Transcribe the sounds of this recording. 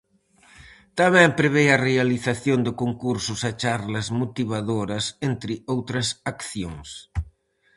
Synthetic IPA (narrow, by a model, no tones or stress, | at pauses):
t̪aβɛmpɾeβeɐrealiθaθjond̪ɪkoŋkuɾsʊsɐt͡ʃaɾlɐzmot̪iβ̞aðoɾɐsent̪ɾɪowt̪ɾɐsakθjoŋs